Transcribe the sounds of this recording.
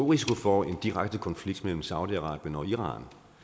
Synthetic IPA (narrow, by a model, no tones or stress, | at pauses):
oʁisikʰo̝fɒe̝nd̥iʁaɡ̥̚d̥əkʰɒ̽nfliɡ̥̚d̥mel̰m̩sɑ̈ʊdiɑ̈ʁɑ̰̈ːb̥jənɒ̽iʁɑ̰̈ːn